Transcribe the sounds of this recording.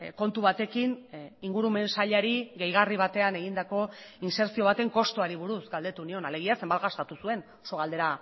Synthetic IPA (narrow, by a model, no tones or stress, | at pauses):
ko̞nt̪uβat̪e̞kiniŋɡuɾume̞nsaʎaɾiɣe̞jɣ̞ariβ̞at̪e̞ane̞ɣ̞ind̪ako̞inse̞ɾsio̞βat̪e̞ŋko̞st̪oaɾiβ̞uɾusɡald̪e̞t̪unio̞nale̞ɣ̞iase̞mbalɣast̪at̪usue̞n | oso̞ɣald̪e̞ɾa